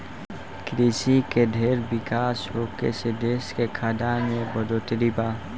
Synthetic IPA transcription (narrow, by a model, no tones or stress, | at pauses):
kɾiːsikeɖʱeːɾbɪkaːsɦoːkḛsed̪eːskekʰaːd̪amẽbəd̪oːt̪ɾibaː